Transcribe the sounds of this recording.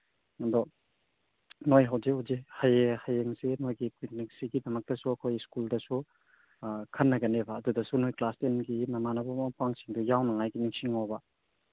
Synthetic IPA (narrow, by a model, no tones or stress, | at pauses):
ŋɐdɔ | nojɦawzihuwzihajehajeŋsenojɡikwik̚nik̚siɡidɐmɐk̚tɐsuɐkʰojskuldɐsu | kʰɐnːɐɡɐnebɐːdudɐsunojklastenɡimɐmanɐbamapaŋsiŋdujawnɐŋajɡiniŋsiŋawbɐ